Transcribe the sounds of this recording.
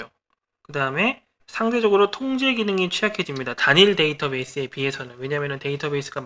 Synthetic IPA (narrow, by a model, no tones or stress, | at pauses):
o | kɯdaɯme̞ | sʰaŋde̞d͡ʑʌɡɯɾotʰoŋd͡ʑe̞ɡinɯŋit͡ɕʰiakʰe̞d͡ʑimɲidataɲiɭde̞itʰʌbe̞s͈ɯe̞piɦe̞sʰʌnɯnwe̞ɲamjʌnɯnte̞itʰʌbe̞is͈ɯɡa